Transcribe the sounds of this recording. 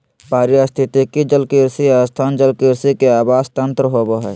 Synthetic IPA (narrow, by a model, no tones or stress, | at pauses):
paːɾjast̪ʰɪt̪ikid͡ʒəlkiɾsiaːst̪ʰaːnd͡ʒəlkiɾsikeaːbaːst̪ə̃nt̪ɾəɦoboɦɛ̰